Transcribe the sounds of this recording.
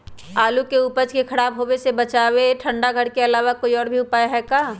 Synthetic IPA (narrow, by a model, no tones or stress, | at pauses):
aːlukeuːpəd͡ʒkekʰɐɽaːbɦoːwesebɐt͡ʃaːweʈʰə̃ɳɖaɡʱəɽkeɐlaːʋakoːiɔːɾbʱiʊpaːjaɦɛkaː